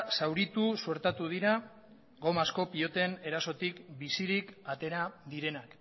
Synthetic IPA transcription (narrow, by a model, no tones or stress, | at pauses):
sawɾit̪usueɾt̪at̪uð̞iɾa | ɡo̞masko̞pio̞t̪e̞ne̞ɾaso̞t̪ikbisiɾikat̪e̞ɾaðiɾe̞nak